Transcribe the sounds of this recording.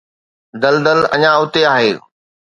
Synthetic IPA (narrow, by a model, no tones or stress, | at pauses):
d̪ɐld̪əlɐ̰ɲãʊt̪eaːɦeː